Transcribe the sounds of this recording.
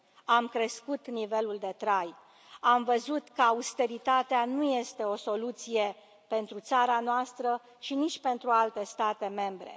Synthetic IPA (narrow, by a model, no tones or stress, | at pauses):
amkɾe̞skut̪nive̞luld̪e̞t̪ɾaj | amvəzut̪kəaust̪e̞ɾit̪at̪eanuje̞st̪e̞o̞so̞lut̪sije̞ | pe̞nt̪ɾut̪saɾanoast̪ɾə | ʃinit͡ʃʲpe̞nt̪ɾualt̪e̞st̪at̪e̞me̞mbɾe̞̰